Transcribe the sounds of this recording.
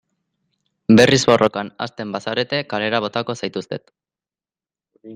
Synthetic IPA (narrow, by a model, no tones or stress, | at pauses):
be̞rizβo̞rʔo̞kana̰st̪e̞mbasaɾe̞t̪e̞kale̞ɾaβ̞o̞t̪ako̞sajt̪ust̪e̞t̪